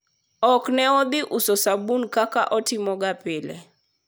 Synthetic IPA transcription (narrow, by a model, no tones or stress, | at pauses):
ɔknɛɔd̪ɪʔusɔsabunkaka̰ʔɔtɪmɔɡapɪlɛ̰